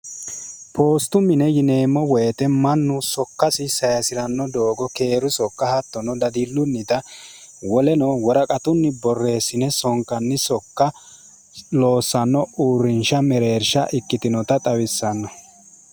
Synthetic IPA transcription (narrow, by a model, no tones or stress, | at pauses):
pʰo̞ːst̪ʊmɪnɛjɪne̞ːmːɔwejt̪ɛmɐnːʊsɔkːɐsɪsɐjɐsɪɾɐnːɔd̪o̞ːɡɔke̞ːɾʊsɔkːɐhɐt̪ːɔnɔd̪ɐd̪ɪlːʊnːɪt̪ɐ | wɔlɛnɔwɔɾɐkʼɐt̪ʊnːɪbɔrːe̞ːsːɪnɛsɔŋkːɐnːɪsɔkːɐ | lo̞ːsːɐnːɔuːɾːɪnʃɐmɛɾe̞ːɾʃɐʔɪkːɪt̪ɪnɔt̪ɐt̪ʼɐwɪsːɐnːɔ